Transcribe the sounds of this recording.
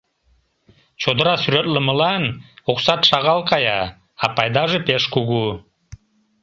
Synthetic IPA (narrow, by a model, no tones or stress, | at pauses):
t͡ʃʰod̪ɾasyɾøt̪lˠəməlˠɑnuqsɑt̪ʃɑʁɑlˠqɑjɑː | pɑjd̪ɑʒɨpʲeʃkuɡu